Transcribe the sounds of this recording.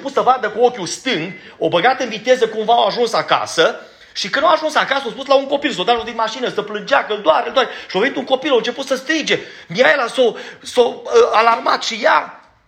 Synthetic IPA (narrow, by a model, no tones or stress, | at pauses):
eput̪səvand̪əkuokʲjust̪ɨŋɡ̪ | obəɡat̪ɨnvit̪e̞zəkumvaoaʒunsaka̰sə | ʃikɨnawaʒunsakasəospuslauŋko̞pilsod̪aod̪inmaʃinəsəplɨnd͡ʒakəld̪oaɾeld̪oaɾeʃiovenit̪uŋko̞pilont͡ʃeput̪səst̪ɾid͡ʒe | miajelasosoəalarma̰t̪ʃija